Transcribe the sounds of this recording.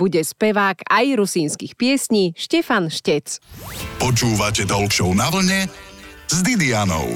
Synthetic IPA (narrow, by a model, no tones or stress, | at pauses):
uɟɛspɛʋaːkajɾusiːnskixpɪɛsɲiːʃcɛfanʃcɛt͡spɔt͡ʃuːʋacɛd̪ɔlkʃɔʊnaʋl̩ɲɛzd̪id̪ianɔ̰ʊ